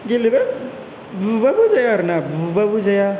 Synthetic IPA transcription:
ɡilibɛ | bubabuzajaɾnabubabuzaja

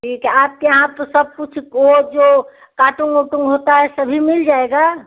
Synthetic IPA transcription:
ʈʰiːkap̚keəɦãpəɾsəb̚put͡ʃʰikod͡ʒo | kaʈuŋɡoʈuŋɡɦot̪aɦɛsəbʱimild͡ʒaeɡa

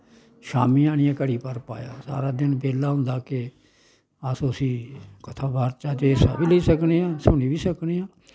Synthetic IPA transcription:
ʃa̰ːmiːaːɽ̃ijãːkəɽiːpəɾpa̰ːja̰ːsa̰ːɾaːd̪ɪnbeːlaːɦʊ̃nd̪aːke | asõəsĩːkət̪ʰaːbʱaːɾt͡ʃaːd͡ʒeːsa̰ːbiːləiːsəkneːãːsʊɽ̃iːʋiːsəkneːãː

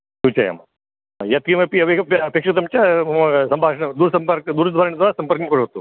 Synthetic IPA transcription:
sut͡ʃa̰ja̰m̰ | jɐt̪̚kimɐpiɐʋepekʂɐt̪ɐmt͡ʃasɐmbʱaːʂɳɐd̪uːɾsɐmpɐɾkd̪uːɾd̪ʱʋaːɾɐɳid̪ʋaːɾasɐmpɐɾkɐmkoɾɦot̪o

